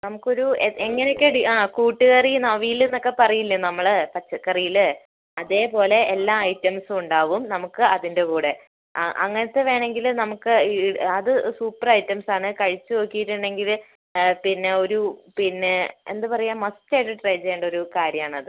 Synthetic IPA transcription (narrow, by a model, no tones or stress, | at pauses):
nɐmukːo̞ɾueeŋːɐnekʲːeɽiaːkuːʈːɨɣɐrinɐʋijilenːo̞kːe̞pɐrɐjilːɐnɐmːɐɭpɐt͡ɕːɐkːɐrijil | ɐðe̞ːpo̞ːle̞ːlːaːɐjtːɐmsuɳɖaːʋumnɐmukːɨɐðinde̞kuːɽe̞ | ʔɐ̰ŋːɐnɐt̪ːe̞ʋe̞ːɳe̞ŋɡilnɐmukːɨɐðɨsuːpːɐrɐjtːɐmsaːɳɨkɐɻit͡ɕːuoːkːijiʈːuɳɖe̞ŋɡil | pinːe̞o̞ɾupinːeḛnd̪ɨpɐrɐjaːmɐsteʈiʈrɐjd͡ʑeeːɳɖɐo̞ɾukaːɾjɐmaːɳɐðɨ